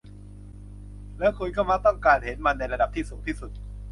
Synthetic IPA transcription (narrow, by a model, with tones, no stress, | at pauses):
lɛː˦˥wkʰu˧nkʰa˥˩wma˦˥˩t̪ɔ˥˩ŋkaː˧nhe˩˦nma˧nːa˧jɾa˧da˨˩p̚t̪ʰiː˥˩suː˩˦ŋt̪ʰiː˥˩su˨˩t̪̚